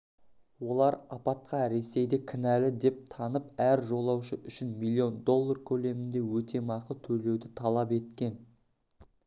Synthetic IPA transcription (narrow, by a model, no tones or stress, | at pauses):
wo̞lˠɑɾɑpɑt̪̚qɑɾe̞se̞jd̪ekʲʰɪnælɪd̪e̞p̚t̪ʰɑnəpæɾʒo̞lˠɑwʃəʔʏʃɪnmijlʲˠːio̞nd̪o̞lˠːarkʲʰɵle̞mɪnd̪e̞wɵt̪e̞mɑqət̪ʰɵɾe̞wd̪ɪt̪ʰɑlˠɑpe̞t̪kʲe̞n